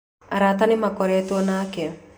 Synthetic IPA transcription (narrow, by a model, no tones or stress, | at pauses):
aɾat̪anɪmakɔɾɛt̪ɔnakɛ